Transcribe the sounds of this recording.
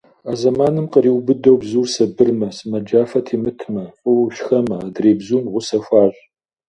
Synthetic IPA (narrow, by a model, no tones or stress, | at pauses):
aːzɐmaːnɨmqəriːwbɨdɐwbzuːrsɐbɨrmɐsɨmɐd͡ʒaːfɐtʰiːmɨtʰmɐɕʼʊwɕxɐmɐadreːbzuːmʁʷʊsɐxʷaːɕʷʼ